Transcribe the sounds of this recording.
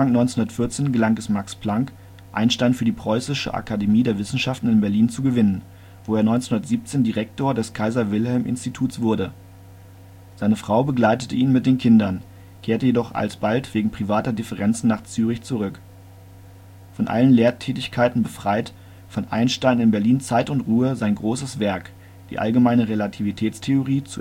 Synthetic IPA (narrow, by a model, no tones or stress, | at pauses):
aŋnɔʏnt͡senhʊndɐtfɪɐt͡seːnɡəlaŋɛsmakspl̥aŋk | ʔa̰ɪnʃtaɪnfyːɐdiːpʁ̥ɔʏsɪʃə̰ʔa̰kʰademiːdeːɐvɪsn̩ʃaftn̩ɪnbɛɐliːnt͡suɡəvɪnən | voːeːɐnɔʏnt͡senhʊndɐtz̥iːp̚t͡seːndiʁɛk̚toːɐdɛskʰaɪzɐvɪlhɛlmʔɪ̰nstitʰuːtsv̥ʊɐdə | z̥aɪnəfʁ̥aʊbəɡlaɪtətəʔiːnmɪt̚d̥eːnkʰɪndɐn | kʰeːɐtəjedɔχa̰lsb̥altv̥eːɡŋ̩pʁ̥ivaːtɐdɪfəʁɛnt͡sn̩ːaːχt͡syːʁ̞ɪçt͡suʁʏk | fɔnʔa̰lənleːɐtʰɛːtɪçkʰaɪtn̩bəfʁ̥aɪt | fɔnʔa̰ɪnʃtaɪənɪnbɛɐliːnt͡saɪtʊntʁuːəzaɪnɡʁoːsəsv̥ɛɐk | d̥ḭːʔa̰lɡəmaɪnəʁelatʰivitʰɛːt͡stʰeoʁ̞iːt͡su